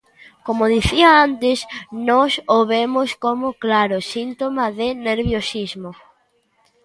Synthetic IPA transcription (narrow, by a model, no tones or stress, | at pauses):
komoðiθiaant̪ɪsnɔsoβemoskomoklaɾosint̪omaðeneɾβjosizmo